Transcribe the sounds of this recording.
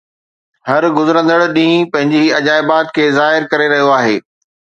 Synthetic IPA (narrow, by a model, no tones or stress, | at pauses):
hɐɾɡʊzɪɾə̃nd̪əɽɗĩːĩpɐ̃ɦɪ̃ɲd͡ʑiɐd͡ʑaːɪbaːt̪kʰeːzaːɦɪɾkɐɾeɾɐɦijoaːɦeː